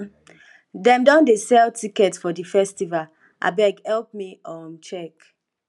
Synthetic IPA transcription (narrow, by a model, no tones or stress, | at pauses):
dɛ̃mdɔ̃ndesɛltʰikɛtfɔdifɛstival | ʔa̰bɛɡhɛlp̚miɔmt͡ʃɛk